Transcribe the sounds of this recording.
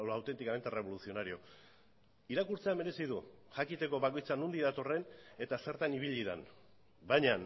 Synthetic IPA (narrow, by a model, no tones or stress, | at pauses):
awt̪e̞nt̪ikame̞nt̪ere̞β̞o̞lusio̞naɾio̞ | iɾakuɾt͡seame̞ɾe̞sið̞uʝakit̪e̞ko̞βako̞jt͡sanund̪iðat̪o̞re̞ne̞t̪ase̞ɾt̪aniβ̞iʎiða̰n | bajɲan